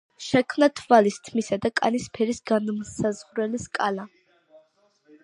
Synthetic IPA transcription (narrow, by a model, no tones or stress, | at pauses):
ʃɛkʰmnat̪ʰvalist̪ʰmisad̪akʼa̰nispʰɛɾisɡanmsazʁɾɛliskʼala